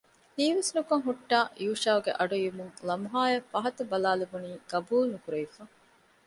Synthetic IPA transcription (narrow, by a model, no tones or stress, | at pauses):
hiːʋesnukɐŋɦuʈːaːjuːʃaːuɡeʔɐɖujumuŋlɐmɦaːjɐfɐɦɐt̪ɐbɐlaːlebuniːɡ̥ɐbuːlnukuɾeifɐ